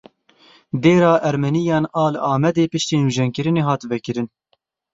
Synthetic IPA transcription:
d̪eːɾɑːʔɛɾmɛnijɑːnɑːlɨɑːmɛd̪eːpɨʃt̪eːnuʒɛnkɨɾɨneːɦɑːt̪vɛkɨɾɨn

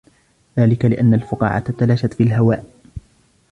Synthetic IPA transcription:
ðaːlɪkalɪʔanːalfʊqɑ̰ːʕa̰t̪t̪alaːʃat̪fiːalɦawaːʔ

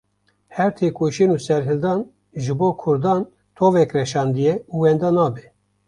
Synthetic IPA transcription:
hɛɾt̪ʰeːkoːʃenuːsɛɾɦɨld̪ɑn | ʒɨboːkʰʊɾd̪ɑːn | t̪ʰovɛkrɛʃɑːnd̪ɨjɛuwɛnd̪ɑːnɑːbɛ

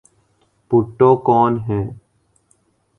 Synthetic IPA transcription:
pʊʈːõkɔːnɦɛ̃ː

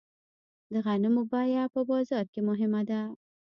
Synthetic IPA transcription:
d̪əɣanɪmʊbɑjapəbɑzɑɾkemʊɦɪmad̪a

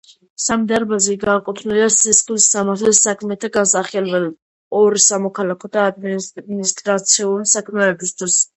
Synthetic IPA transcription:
samd̪aɾbazɛɡakʼut̪ʰniliasisχlisːamaɾt̪ʰlɛsakʰmɛt̪ʰaɡansaχɛlbɛl | ɔɾisamɔkʰalakʰɔd̪aːd̪mminist̪ʼɾat̪sʰiulisakʰmɛːbist̪ʰwis

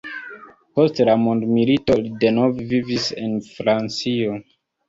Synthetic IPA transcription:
postlamõndmilitolidenovvivisḭnfɾant͡sio

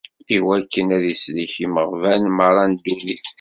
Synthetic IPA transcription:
iwækːənæðisliçiməʁvænməɾˤɑnd̪uniθ

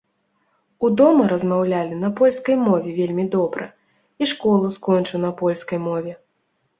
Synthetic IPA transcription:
ud̪ɔmɐɾɐzmawlʲalʲinɐpɔlʲskɐjmɔvʲɛvʲelʲmʲid̪ɔbɾɐ̰ | iʂkɔlˠuskɔnʲt͡ʂɨwnɐpɔlʲskɐjmɔvʲɛ

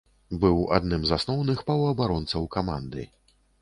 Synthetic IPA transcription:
bɨwa̰d̪nɨmzasnɔwnɨxpɐwɐbaɾɔnt̪sɐwkamand̪ɨ̰

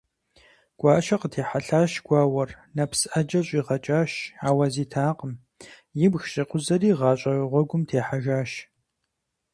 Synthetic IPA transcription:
ɡ̥ʷɑːʃɐqətʰeːħaɬaːʃɡ̥ʷɑːwɐr | nɐpsʔɐd͡ʒɐɕʼiːʁɐt͡ʃʼaːʃaːwɐziːtʰaːqəm | jɪbxɕʼɪqʷʊzɐɾiːʁɑːɕʼɐʁʷɔɡʷʊmtʰeːħaʒaːʃ

